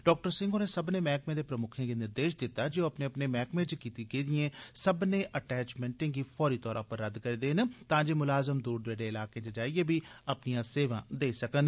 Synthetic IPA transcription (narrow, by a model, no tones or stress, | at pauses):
ɖɔːk̚ʈəɾsɪ̃ŋɡoːneːsəbnẽːmɛːkmẽːd̪eːpɾəmʊkʰẽːɡenɪɾd̪eːʃd̪ɪt̪ːaːd͡ʒɪoːəpneːəpneːmɛːkmẽːt͡ʃkiːt̪iɡeːd̪ijẽːsəbnẽːʔəʈɛːt͡ʃmɛ̃ːɳʈẽːɡiːpʰɔːɾiːt̪ɔːɾa̰ːpəɾːəd̪kəɾeːd̪eːnt̪ãːd͡ʒeːmʊlaːzəmd̪uːɾd̪eːɖeːɪlaːkẽːt͡ʃəd͡ʒaːiɡeːbʱiːəpnijãːseːʋãːd̪eːsəkən